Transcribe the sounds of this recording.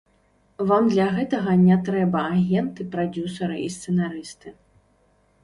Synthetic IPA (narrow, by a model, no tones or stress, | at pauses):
vamd̪lʲɐɣɛt̪ɐɣɐnʲɛt̪ɾɛbɐaɣʲɛnt̪ɨpɾad͡zʲusɐɾɨ̰ist̪sɛnaɾɨst̪ɨ